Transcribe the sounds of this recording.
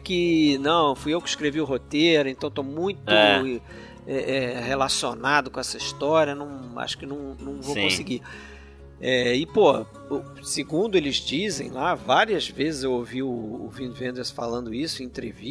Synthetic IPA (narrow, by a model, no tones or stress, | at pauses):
kɪnɐ̃w̃fujewkɪi̥ʃkɾeviʊɦot̪eɾʊẽnt̪ɐ̃w̃t̪omũj̃t̪ʊ | ɛʔɛhelasionad̪ʊkõɛsɐiʃt̪ɔɾiɐnɐ̃w̃a̰ʃʊ̥kɪnɐ̃w̃nɐ̃w̃vowkõsɪɡi | ɛɪpoɐ̰ | ew | sɪɡũnd̪ʊelɪzd͡ʒizḛ̃j̃lavaɾiɐzvezɪzewowviʊːvĩnd̪vẽnd̪eɾsfa̰lɐ̃nd̪ʊisʊĩnt̪ɾḛvi